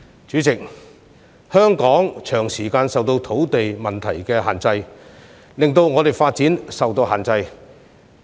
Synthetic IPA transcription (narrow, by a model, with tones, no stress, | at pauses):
t͡ʃyː˨˥t͡sɪ˨k̚ | hœː˥ŋkɔː˨˥ŋt͡ʃʰœː˨˩ŋsiː˨˩kaː˧nsɐ˨wt̪o˧wt̪ʰo˨˥wt̪e˨jmɐ˨˩nt̪ʰɐ̰˨˩jkɛː˧ɦaː˨˩nt͡sɐ˧j | lɪ˨ŋt̪o˧wŋɔː˨˧t̪e˨˩jfaː˧t̚t͡siː˨˥nsɐ˨wt̪o˧wɦaː˨˩nt͡sɐ˧j